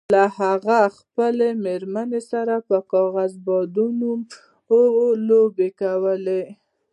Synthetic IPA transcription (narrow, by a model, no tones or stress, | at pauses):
lahaɣaxpəlemeɾmanesaɾapəkɑɣazbɑd̪unum | oolobekawəle